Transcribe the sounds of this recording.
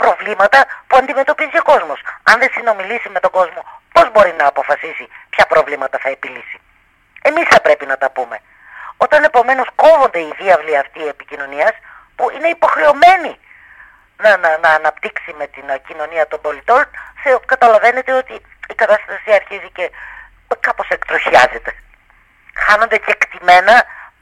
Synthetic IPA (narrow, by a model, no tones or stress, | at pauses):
pɾo̞vlimɐt̪ɐpuɐnd̪ime̞t̪o̞pizio̞ko̞zmo̞sɐnðe̞sino̞milisime̞t̪o̞ɡo̞zmo̞po̞zbo̞ɾinɐːpo̞fɐsisipçɐpɾo̞vlimɐt̪ɐθɐe̞pilisi̥ | e̞misθɐpɾe̞pinɐt̪ɐpume̞ | o̞t̪ɐne̞po̞me̞no̞sko̞vo̞nd̪e̞iðiɐvliɐft̪iepicino̞niɐs | puine̞ipo̞xɾe̞o̞me̞ni | nɐnɐnɐːnɐpt̪iksime̞t̪incino̞niɐt̪o̞mbo̞lit̪o̞nθekɐt̪ɐlɐve̞ne̞t̪e̞o̞t̪i | ikɐt̪ɐst̪ɐsiɐɾçizice̞ | kɐpo̞se̞kt̪ɾoçiɐze̞t̪e̞ | xɐno̞nd̪ece̞kt̪ime̞nɐ